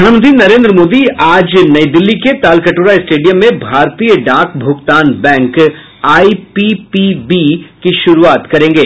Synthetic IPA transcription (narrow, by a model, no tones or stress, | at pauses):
ɳ̃mənt̪ɾinɐɾẽːnd̪ɾəmoːd̪iaːd͡ʒnɐid̪ɪlːiket̪aːlkɐʈuːɾaɪsʈeːɖijə̃mːẽbʱaːɾt̪ijəɖaːkbʱʊɡt̪aːnbɛ̃ːŋk | aːipipibikiʃʊɾuaːt̪kɐɾẽːŋɡeː